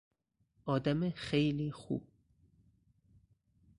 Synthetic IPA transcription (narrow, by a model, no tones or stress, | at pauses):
ʔɒːd̪æmexejliːxṵːb̚